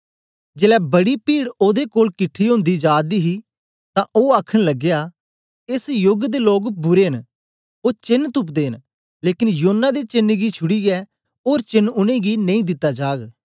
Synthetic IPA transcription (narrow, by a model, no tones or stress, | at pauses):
d͡ʒeːlɛːbɐɽipiːɽoːd̪ekoːlkɪʈʰːiɦʊ̃ːnd̪id͡ʒaːd̪iːɦiː | t̪ãːʔoːaːkʰəñləɡjaː | ɪsjʊɡd̪eloːkbʊɾeɦən | oːt͡ʃɪnːt̪ʊp̬d̪eːən | leːkɪnjoonːad̪et͡ʃɪnɡit͡ʃʰʊɽiːɡɛː | oːɾt͡ʃɪnʊnẽːɡinɐ̃ĩːd̪ɪt̪ːad͡ʒaːɡ